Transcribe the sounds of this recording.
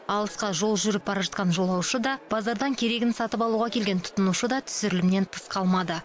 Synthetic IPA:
ɑlˠəsqɑʒo̞lˠʒʏɾɪp̚bɑɾɑʒɑt̪̚qɑnʒo̞lˠɑwʃəd̪ɑb̥ɑzɑɾd̪ɑŋkʲʰe̞ɾe̞ɡʲɪnsɑt̪əpɑlˠuʁɑkʲʰe̞lɡʲe̞nt̪ʰʊ̥t̪ənuʃəd̪ɑt̪ʰʏ̥sɪɾɪlɪmne̞nt̪ʰə̥sqʰɑlˠmɑd̪ə

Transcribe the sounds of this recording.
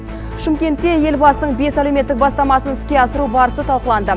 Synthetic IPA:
ʃɪmkʲe̞nt̪ːe̞je̞lbɑsənəɴbe̞sæle̞me̞t̪ːɪk̚bɑst̪ɑmɑsənɪskʲe̞ɑsəɾubɑɾəsət̪ʰɑlˠqəlˠɑnd̪ə

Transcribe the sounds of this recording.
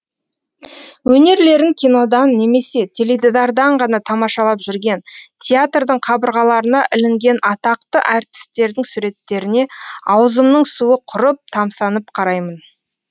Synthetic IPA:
wɵne̞ɾle̞ɾɪŋkʲʰijno̞d̪ɑnːe̞me̞se̞t̪ʲʰe̞led̪ed̪ɑɾd̪ɑɴʁɑnɑt̪ʰɑmɑʃɑlˠɑpʒʏɾɡʲe̞nt̪ʲʰeat̪rd̪əɴqʰɑbəɾʁɑlˠɑɾənɑʔɪlɪŋɡʲe̞nɑt̪ɑq̚t̪əʔæɾt̪ɪ̥st̪e̞ɾd̪ɪŋsuɾe̞t̪ːe̞ɾɪne̞ɑwzəmnəɴsuəqʰʊɾəp̚t̪ʰɑmsɑnəp̚qʰɑɾɑjmən

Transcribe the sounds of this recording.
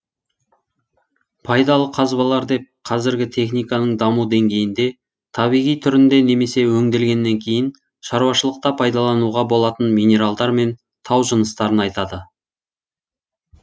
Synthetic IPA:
pʰɑjd̪ɑlˠəqʰɑzbɑlˠɑɾd̪e̞p̚qʰɑzɪɾɡʲɪt̪ʰe̞χnijkɑnəɴd̪ɑmud̪e̞ŋɡʲe̞jɪnd̪e̞ | t̪ʰɑβijʁijt̪ʰʏɾɪnd̪e̞ne̞me̞se̞wɵŋd̪e̞lɡʲe̞nːe̞ŋkʲʰe̞jɪn | ʃɑɾuwɑʃəlˠəq̚t̪ɑpʰɑjd̪ɑlˠɑnuʁɑbo̞lˠɑt̪ənmijne̞ɾalˠd̪ɑɾme̞n | t̪ʰɑwʒənəst̪ɑɾənɑjt̪ɑd̪ə

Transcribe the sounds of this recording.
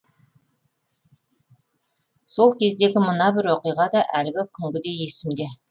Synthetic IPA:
so̞lˠkʲʰe̞zd̪e̞ɡʲɪmənɑbɪɾwoqijʁɑd̪ɑʔælɪɡʲɪkʲʰʏŋɡʲɪd̪e̞je̞sɪmd̪e̞

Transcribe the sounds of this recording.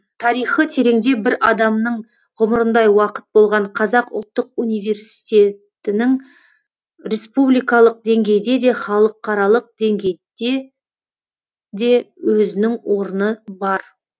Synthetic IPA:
t̪ʰɑɾijχət̪ʰe̞ɾe̞ŋd̪e̞bɪɾɑd̪ɑmnəɴ | ʁʊməɾənd̪ɑjwɑqə̥t̪̚bo̞lˠʁɑɴqʰɑzɑqʊ̰lˠt̪ːəq̚unijve̞ɾsi̥t̪e̞t̪ɪnɪŋ | ɾʲe̞spublijkɑlˠəq̚d̪e̞ŋɡʲe̞jd̪e̞d̪e̞χɑlˠəqʰːɑɾɑlˠəq̚d̪e̞ŋɡʲe̞jd̪e̞ | d̪e̞wɵzɪnɪŋwo̞ɾənəbɑɾ

